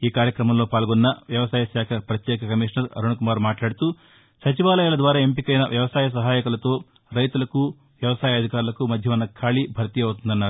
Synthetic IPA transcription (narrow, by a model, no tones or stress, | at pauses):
iːkaːɾjɐkɾɐmɐmlo̞ːpaːlɡonːɐʋjɐʋɐsaːjɐʃaːkʰɐpɾɐt̪jɛːkʰɐkɐmiːʂɳɐɾɐ̰ɾuɳɐkumaːɾmaːʈlaːɽit̪u | sɐt͡ʃiʋaːlɐjaːlɐd̪ʋaːɾaːempikɐjnɐʋjɐʋɐsaːjɐs̬ɐɦaːjɐkɐlɐt̪o̞ː | ɾɐjt̪ulɐku | ʋjɐʋɐsaːjɐɐd̪ʱikaːɾulɐkumɐd̪ʱjɐʋɐnːɐkʰaːɭibʱɐɾt̪iɐwt̪̬und̪ɐnːaːɾu